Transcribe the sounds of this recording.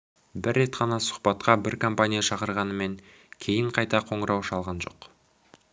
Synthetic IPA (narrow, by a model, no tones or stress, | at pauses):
bɪɾːe̞t̪qʰɑnɑsʊ̥χpɑt̪qɑbɪɾkʰompanʲijaʃɑqəɾʁɑnəme̞ŋ | kʲʰe̞jɪɴqʰɑjt̪ɑqʰo̞ɴəɾʔɑwʃɑlˠʁɑnʒo̞̰q